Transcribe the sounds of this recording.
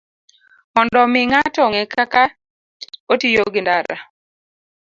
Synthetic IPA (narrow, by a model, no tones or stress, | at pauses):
mɔndɔmɪŋatɔŋɛkaka | otijoɡɪndaɾa̰